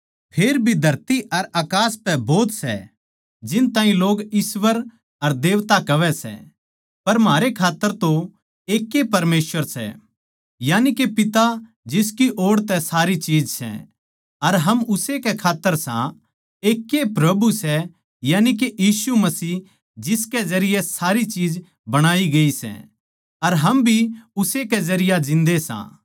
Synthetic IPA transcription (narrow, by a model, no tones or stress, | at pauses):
pʰeːɾbʱid̪ʱɐɾt̪iɐɾaːkaːspɛboːt̪sɛ̰ | d͡ʒɪnt̪ãːɦĩloːɡɪsʋəɾ | ɐɾd̪eːʋt̪akɐʋɛsɛ̰ | pɐɾmɦaːɾekʰaːt̪ːəɾt̪o | eːkːepɐɾmeːsʋəɾsɛ̰ | jaːnikepɪt̪a | d͡ʒɪskiʔoːɽt̪ɛsaːɾit͡ʃiːd͡ʒsɛ̰ | ɐɾɦɐmʊsekɛkʰaːt̪ːəɾsã̰ | eːkːepɾɐbusɛ | jaːnik̬ejiːsumɐsiː | d͡ʒɪskɛzɐɾɪjɛsaːɾit͡ʃiːd͡ʒ | bɐɽ̃aːiɡɐisɛ̰̃ | ɐɾɦɐmbʱiʊsekɛzɐɾɪjad͡ʒɪ̃nd̪esã̰